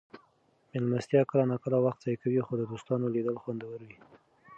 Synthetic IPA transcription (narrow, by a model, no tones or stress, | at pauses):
mɪlmast̪jɑkəlanɑkəlawaxt̪̚z̥ɑjkawixod̪əd̪ost̪ɑnolid̪əlxwand̪awəɾwi